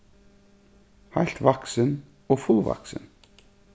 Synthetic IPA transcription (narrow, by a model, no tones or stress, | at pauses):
hajl̥t̪vaksɪn | ɔɣfulva̰ksɪ̰n